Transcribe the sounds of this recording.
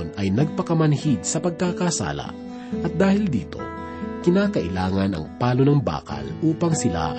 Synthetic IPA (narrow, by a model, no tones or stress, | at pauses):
nɐjnɐɡ̚pɐkɐmɐnhid̪̚sɐpɐɡ̚kakaːsa̰ːla̰ | ʔɐt̪̚d̪aːhɪld̪iːt̪o̰ | kɪnaːkɐʔɪlaːŋɐnɐ̰ŋpaːlonɐŋba̰ːkɐ̰lʔuːpɐŋsɪla̰